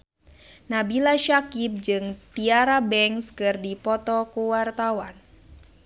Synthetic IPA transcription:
nabilaʃakip̚d͡ʒɨŋt̪iaɾabɛŋskɨrdipɔt̪ɔkuwart̪awan

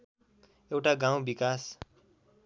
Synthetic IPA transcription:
ewʈaɡãw̃bikas

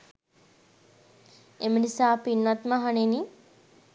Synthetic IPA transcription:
emənisaːpinːat̪maɦaneni

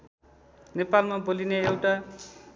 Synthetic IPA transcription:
nepalmabolineewʈa

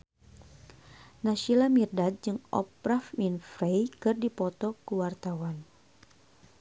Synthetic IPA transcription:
naʃilamirdat̪̚d͡ʒɨŋɔ̰pɾafminfɾejkɨrdipɔt̪ɔkəwart̪awan

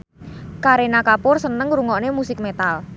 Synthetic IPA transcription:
kaɾenakapʊrsənəŋɾuŋɔʔnemusɪk̚met̪al

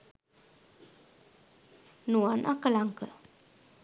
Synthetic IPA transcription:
nuanʔakəlaŋkə

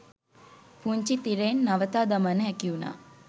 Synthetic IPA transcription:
puɲt͡ʃit̪iɾeːnːaʋət̪aːd̪amanəɦækiuna̰ː

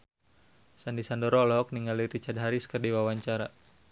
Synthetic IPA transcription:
sandisandɔɾɔlɔk̚niŋaliɾit͡ʃadɦaɾiskərdiwawaɲt͡ʃaɾa

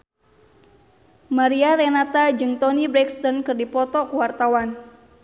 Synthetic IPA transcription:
maɾiaɾɛnat̪ad͡ʒɨŋt̪ɔnibɾɛkst̪ɔnkɨrdipɔt̪ɔkuwart̪awan

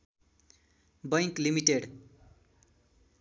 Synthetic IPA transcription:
bʌjklimiʈeɽ

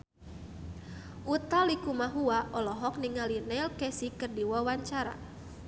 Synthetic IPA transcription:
ʔut̪alikumaɦuaʔɔlɔɦɔk̚niŋalinɛlkɛsikɨrdiwawaɲt͡ʃaɾa̰

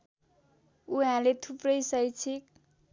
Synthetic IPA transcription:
uɦãlet̪ʰuprʌjsʌjt͡sʰik

